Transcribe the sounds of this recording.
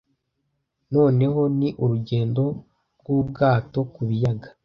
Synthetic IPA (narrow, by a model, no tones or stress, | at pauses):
no̞ːne̞ho̞niʔuɾuɟe̞ːndo̞ | ɾɡwub̚ɡaːto̞kuβijaɡḁ